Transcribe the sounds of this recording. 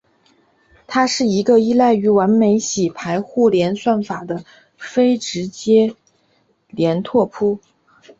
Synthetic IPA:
t̪ʰa˥ʂɻ̩˥˩i˧˥ɡə˧i˥la˥˩ɪy˧˥wa˧˥nme˧˥ɪɕi˨˩pʰa˧˥ɪxu˥˩ljɛ˧˥nswa˥˩nfa˨˩d̪ə˦ | fe˥ɪʈ͡ʂɻ̩˧˥t͡ɕjɛ˥ | ljɛ˧˥nt̪ʰwɔ˥˩pʰu˥

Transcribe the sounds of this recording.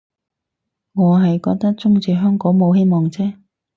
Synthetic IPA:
ŋɔː˨˧ɦɐ˨jkɔː˧k̚t̪ɐ˥k̚t͡sʊ˥ŋt͡siː˨˧ɦœː˥ŋkɔː˨˥ŋmo˨˧whe˥jmɔː˨ŋt͡sɛː˥

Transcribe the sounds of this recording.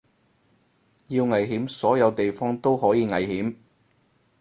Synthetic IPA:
jiː˧wŋɐ˨jɦiː˨˥msɔː˨˥jɐ˨˧wt̪e˨jfɔː˥ŋt̪o˥wɦɔː˨˥jiː˨˧ŋɐ˨jɦiː˨˥m

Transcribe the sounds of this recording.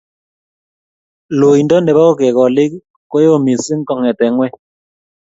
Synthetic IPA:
lo˨i˨ndɔ˦ndɛ˨ba˦o˦kɛ˨kɔ˨lɪ˦k | ko˦jo˦˨mi˨si˦ŋ̩˦kɔ˨ŋɛ˨tɛ˨ŋwɛ˦

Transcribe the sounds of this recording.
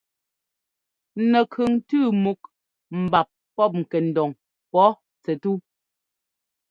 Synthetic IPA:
nɛ˨kʰʉ˨ŋtʉː˦˨mu˨k̚ | m̩˨ba˨p̚ | pɔ˦˨p̚ŋ̩˨kɛ˨n̩˨dɔ˨ŋ | pɔ˨˦ | t͡sɛ˨tu˦

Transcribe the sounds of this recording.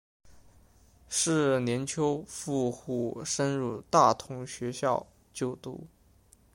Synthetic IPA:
ʂɻ̩˥˩njɛ˧˥nt͡ɕʰjo˥ʊfu˥˧xu˥˩ʂə˥nɻu˥˧t̪a˥˩t̪ʰʊ˧˥ŋɕɥɛ˧˥ɕjɑ˥˧ʊ | t͡ɕjo˥˩ʊt̪ṵ˧˥

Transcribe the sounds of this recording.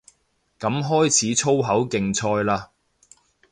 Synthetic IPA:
kɐ˨˥mɦɔː˥jt͡sʰiː˨˥t͡sʰo˥wɦɐ˨˥wkɪ˨ŋt͡sʰɔː˧jlaː˧

